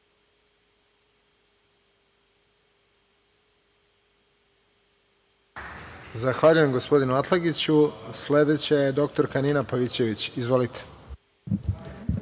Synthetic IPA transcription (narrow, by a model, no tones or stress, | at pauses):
zaxʋaʎuje̞mɡo̞spo̞d̪inuat̪lˠaɡit͡ɕusle̞d̪e̞t͡ɕejed̪o̞k̚t̪o̞ɾkaninapaʋit͡ɕe̞ʋit͡ɕizʋo̞lit̪ʰe̥